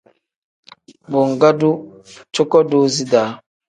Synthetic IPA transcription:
bo˨ŋɡa˦du˦ | t͡ʃo˦kɔ˦do˦zi˦daː˨˦

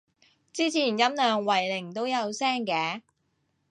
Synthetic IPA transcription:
t͡siː˥t͡sʰiː˨˩njɐ˥mnœː˨ŋwɐ˨˩jlɪ˨˩ŋt̪o˥wjɐ˨˧wsɛː˥ŋkɛː˨˧˥

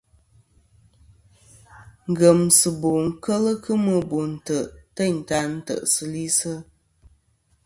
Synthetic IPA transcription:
ŋ̩˨ɡə˨msɨ˨bo˨ŋ̩˨kə˦lə˦kɨ˦mɨ˦bo˨n̩˨tə˨ʔtə˦˨n̩˨ta˦n̩˦tə̰˨ʔsɨ˦li˦sə˦

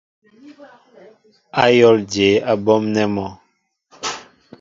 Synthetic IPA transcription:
a˦jɔ˦ld͡ʒe˨˦a˦bɔ˦mnɛ˦mɔ˨

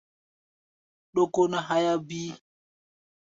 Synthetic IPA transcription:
ɗo˦ko˦na˦ɦa˦ja˦bi˦

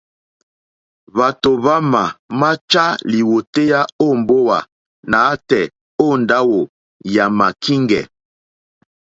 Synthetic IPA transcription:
βa˨to˨βa˦ma˨ma˦t͡ʃa˦li˨wo˨te˦ja˦o˦mbo˦wa̰˨ | na˨˦tɛ˨ | o˦nda˦wo˨ | ja˨ma˨kʰi˦ŋɡɛ̰˨

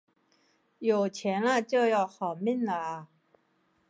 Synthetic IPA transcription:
jo˨˩ʊt͡ɕʰjɛ˧˥nlə˧t͡ɕjo˥˧ʊjɑ˥˩ʊxɑ˨˩ʊmi˥˩nlə˨˩

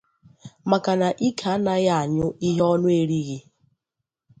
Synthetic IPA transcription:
ma˨ka˨na˨ʔi˦kʰa˨˦na˨ja˦˨ɲʊ˦i˦ɦɔ˦nʊ˦e˨ɾi˦ɣi˨

